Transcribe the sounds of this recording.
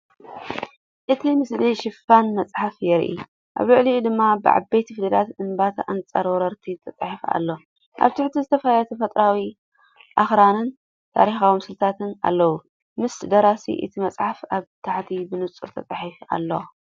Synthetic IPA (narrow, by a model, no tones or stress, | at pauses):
ʔɨt̪ʰimɨsliʃɪfanmɐt͡sʼħafjɛɾʔḭ | ʔa̰βlɐʕlid̪ɨmːabɨ̰ʕa̰bejt̪ʰifɨd̪ɐd̪at̪ɨnbat̪ʰʔa̰nt͡sʼɐ̰ɾwɔɾɐɾt̪ʰit̪ʰɐt͡s̪ʼaħifa̰lːo̞ | ʔa̰βt̪ʰɪħt̪ʰizɨt̪ʰɐfɐlalɐt̪ʰɐfɐt̪ʼɾawi | ʔaxɾanɨn | t̪ʰa̰ɾixawmsɨlt̪ʰat̪ʰɨnʔa̰lːɐwu | mɨsd̪ɐɾasḭʔɨ̰t̪ʰimɐt͡sʼħafaβt̪ʰaħt̪ʰibɨnɨt͡sʼṵɾt̪ʰɐt͡s̪ʼaħifa̰lːo